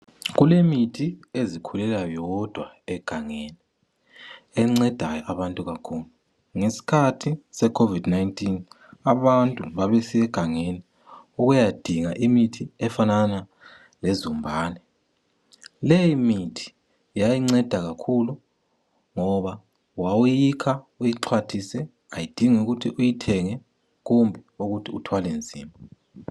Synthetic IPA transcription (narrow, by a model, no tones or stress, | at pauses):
ɣulemitʰiezikʰulɛlajɔd̥ʱwa | ɛɡ̥ʱaŋeni | ɛŋ͡ǀɛd̥ʱajɔʔaβantʼuɣakʰuːlu | ŋesi̥kʰatʰisɛkʰovid̥najntʼin | aβantʼuβaβɛsiɛɡ̥ʱaŋeni | uɣujad̥ʱiŋaʔimitʰiɛfanana | lezumbʱaːnɛ | lejimitʰi̥ | jajiŋ͡ǀɛd̥ʱaɣakʰulu | ŋɔβa | wawujikʰa | ujiǁʰwatʰisɛ | ajid̥ʱiŋuɣutʰiʔujitʰɛŋɛ | ɣumbʱɛuɣutʰiutʰwalend͡zʱḭːmbʱɔ